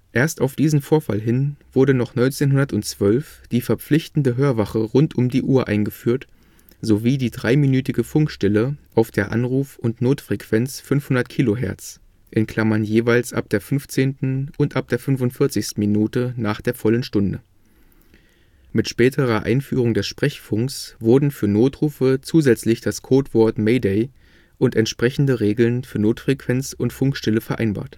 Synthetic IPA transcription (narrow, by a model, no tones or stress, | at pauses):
ʔeːɐstaʊfd̥iːzn̩foːɐfa̰lɦɪnv̥ʊɐɾənɔχnɔʏnt͡seːnɦʊndɐtʊntt͡sv̥œlfd̥iːfɛɐp͡flɪçtn̩dəɦøːɐvaχəʁʊntʔʊmdiːʔuːɐʔa̰ɪnɡəfyːɐt | z̥oviːdiːdʁaɪminyːtɪɡəfʊŋkʃtɛləʔaʊfd̥eːɐʔa̰nʁuːfʊntnoːtfʁ̥ekv̥ɛnt͡sfʏnfhʊndɐtkʰiːloɦɛɐt͡s | ʔɪnkʰl̥amɐnjeːvaɪlsʔa̰p̚d̥eːɐfʏnft͡seːntn̩ʊntʔap̚d̥eːɐfʏnvʊntfɪɐt͡sɪçstn̩minuːtənaːχd̥eːɐfɔlənʃtʊndə | mɪtʃpɛːtʰəʁɐʔa̰ɪnfyːʁ̞ʊŋdɛsʃpʁ̥ɛçfʊŋksv̥ʊɐdn̩fyːɐnoːtʁ̥uːfət͡suːzɛt͡slɪçd̥askʰoːtv̥ɔɐtmeɪdeɪ | ʔʊntɛntʃpʁ̥ɛçn̩dəʁeːɡl̩nfyːɐnoːtfʁ̥ekv̥ɛnt͡sʊntfʊŋkʃtɛləfɛɐʔa̰ɪnba̰ːɐt